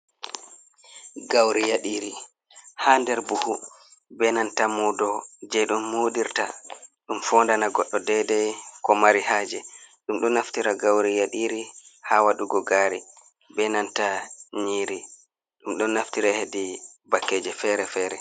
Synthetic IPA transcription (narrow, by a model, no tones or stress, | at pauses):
ɡawɾijaɗiːɾi | handɛɾbuhubɛnantamudɔd͡ʒɛɗumːoɗiɾtaɗumfɔndanaɡɔɗːɔdɛdɛkɔmaɾihaːd͡ʒɛɗumɗɔnaftiɾaɡawɾijaɗiɾihawaɗuɡɔɡaːɾi | bɛnantaɲiːɾi | ɗumɗɔnːaftiɾahedi | bakːɛːd͡ʒɛfɛɾɛfɛːɾɛ